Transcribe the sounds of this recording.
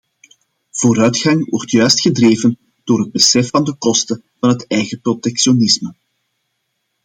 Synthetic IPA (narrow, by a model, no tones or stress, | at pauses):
v̥oːɾœɥtxɑŋwɔ̰rtjœːɥstxədreːvən | d̥oːrɦəd̚bəsɛfɑndəkɔstə | vɑnɦətɛjɣəprotɛkʃionɪsmə